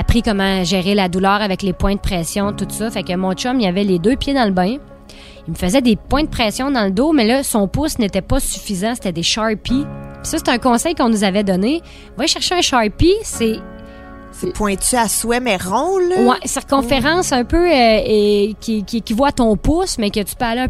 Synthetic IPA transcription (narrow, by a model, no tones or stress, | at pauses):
apʁikɔmɑ̃ʒɛːʁelad̪ulœːʁavɛklepwɛ̃d̪əpχɛːsjɔ̃t̪ut̪sɔfɛkəmɔ̃t͡ʃɔmiavɛled̪øːpjed̪ɑ̃ləbɛ̃ | imfəzɛd̪epwɛ̃d̪̚əpχɛːsjɔ̃d̪ɑ̃ld̪omɛlɔsɔ̃pʊsnet̪ɛpɔsy̥fizãse̥t̪ɛd̪eʃɑɹpipi̥sʌse̥t̪ɛɛ̃ːkɔ̃sɛjkɔ̃nuzavɛd̪ɔnẽ | vajʃɛʁʃeɛ̃ʃɑɹpise | sepʰwɛ̃t͡s̪yaswɛmɛʁɔ̃lwɛsɛʁkɔ̃ffeʁɑ̃sœ̃pøøekʲʰkʲikʲivwaːt̪ɔ̃ːpʊsmɛkət̪y̥pøaliɛ̃